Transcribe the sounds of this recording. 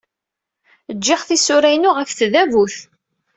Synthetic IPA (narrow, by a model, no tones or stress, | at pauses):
əd͡ʒːɪχθisʊɾæjnʊʁəfθðævuθ